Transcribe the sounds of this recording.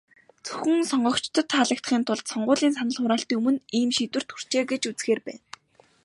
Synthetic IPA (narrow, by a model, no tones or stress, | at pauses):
t͡sɵ̥xɵ̆ŋsɔɴɢɞ̆kt͡ɕt̪ʰə̆t̪χaɮə̆k̚t̪χiːnt̪ʰʊɮt̪sɔɴɢʊːɮiːns̬anə̆ɮχʊɾaːɬt̪iːŋumɵ̆niːmʃit̪wɘ̆r̥t̪xʰur̥t͡ɕeːɡet͡ɕut͡sxeːrpæ̰ːn